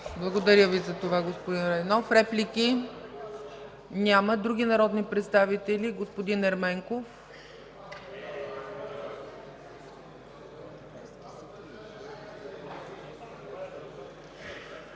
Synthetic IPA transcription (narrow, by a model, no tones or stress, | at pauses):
blˠɐɡod̪ɐɾʲəvizɐt̪ovaɡospod̪inɾɐnɔfɾɛplʲiki | nʲaməd̪ɾuɡʲinɐɾɔd̪nipɾɛt̪st̪avit̪ɛlʲiɡospod̪inɛɾmɛŋkof